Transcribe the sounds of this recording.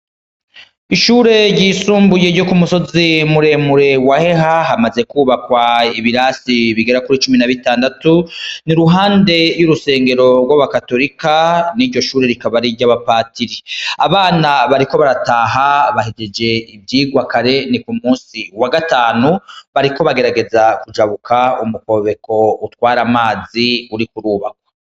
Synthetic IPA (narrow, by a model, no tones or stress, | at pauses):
iʃuːɾe̞ɾɟiːsuːmbuje̞ɾɟo̞kumuso̞zimuɾe̞muɾe̞wahe̞haɦamaze̞kuːβakwaiβiɾasiβiɡe̞ɾakuɾit͡ʃuminaβitaːndatuniɾuɦaːnde̞juɾuse̞ːŋɡe̞ɾo̞ɡwaβakato̞ɾikaniɾɟo̞ʃuːɾeɾikaβaɾiɾɟaβapaːtiɾeaβaːnaβaɾiko̞βaɾataɦaβaɦeɟed͡ʒe̞ibjiːɡwakaɾe̞nikumuːsiwaɡataːnuβaɾiko̞βaɡe̞ɾaɡe̞zakud͡ʒaβukʰaumuko̞βe̞kʰo̞utwaːɾamaːziuɾikuɾuːβakwa